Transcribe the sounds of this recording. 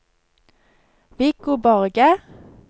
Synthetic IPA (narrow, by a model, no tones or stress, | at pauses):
ʋɪkubɔʁɡə